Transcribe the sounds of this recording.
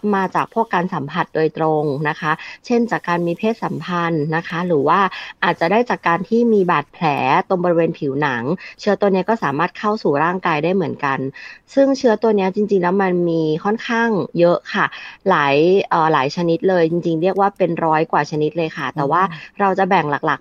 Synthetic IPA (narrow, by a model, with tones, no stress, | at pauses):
maː˧t͡ɕaː˨˩k̚pʰu˥˩kːaː˧nsa˩˦mpʰa˨˩t̪̚doː˧jt̪ɾo˧ŋna˦˥kʰa˦˥t͡ɕʰe˥˩nt͡ɕaː˨˩kːaː˧nmiː˧pʰeː˥˩t̪̚sa˩˦mpʰa˧nːa˦˥kʰa˦˥ɾɯː˩˦waː˥˩ʔaː˨˩t̪̚t͡ɕa˨˩daː˥˩jt͡ɕaː˨˩kːaː˧nt̪ʰiː˥˩miː˧baː˨˩t̪̚pʰlɛː˩˦t̪o˧ŋbɔː˧ɾi˧weː˧npʰi˩˦wna˩˦ŋt͡ɕʰɯː˦˥ɐt̪u˧əni˦˥ɐkɔː˥˩saː˩˦maː˥˩t̪̚kʰa˥˩wsuː˨˩ɾaː˥˩ŋkaː˧jdaː˥˩jmɯ˩˦ənka˧nsɯ˥˩ŋt͡ɕʰɯ˦˥ɐt̪u˧əni˦˥ɐt͡ɕi˧ŋt͡ɕi˧ŋlɛː˦˥wma˧nmiː˧kʰɔ˥˩nkʰaː˥˩ŋjɤ˦˥ʔkʰa˥˩laː˩˦jʔəː˨˩laː˩˦jt͡ɕʰa˧ni˦˥t̪̚lɤː˧jt͡ɕi˧ŋt͡ɕi˧ŋɾi˥˩ək̚waː˥˩pe˧nɾɔː˦˥jkwaː˨˩t͡ɕʰa˧ni˦˥t̪̚lɤː˧jkʰa˥˩t̪ɛː˨˩waː˥˩ɾa˧wt͡ɕa˨˩bɛ˨˩ŋla˨˩k̚la˨˩k̚